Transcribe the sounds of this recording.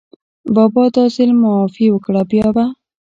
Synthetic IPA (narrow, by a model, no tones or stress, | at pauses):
bɑbɑd̪ɑzɪlmawɑfiwəkɽabjɑba